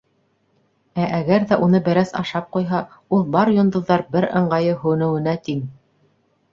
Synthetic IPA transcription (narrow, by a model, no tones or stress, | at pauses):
æʔæɡæɾðæʔunɤbæ̆ɾæsɑ̰ʃɑp̚qujɦɑ | ulˠbɑɾjŏnd̪ɤ̆ðːɑɾbɘɾɤ̆ɴɢɑjɤɦɵ̆nɘ̆wɘ̆næt̪iŋ